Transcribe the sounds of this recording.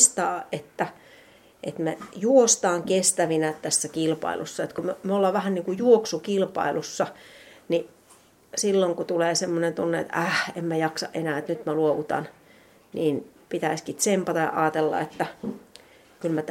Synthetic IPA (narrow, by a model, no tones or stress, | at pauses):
st̪ɑːʔet̪ːæ | ʔḛt̪mejuost̪ɑːŋkest̪æʋinæt̪æsːækilpɑ̰ḭlṵsːɑet̪kumømolːɑːʋʋæhænniːŋkujuoksukilpɑ̰ilusːɑni | silːoŋkut̪uleːsemːonent̪unːeḛt̪ʔæhemmæjɑksɑ̰ʔenæːet̪nyt̪mæluoʋut̪ɑ̰n | niːnpit̪æiskit̪sempɑt̪ɑjɑ̰ʔɑːt̪elːɑ̰et̪ːæ | kylmæt̪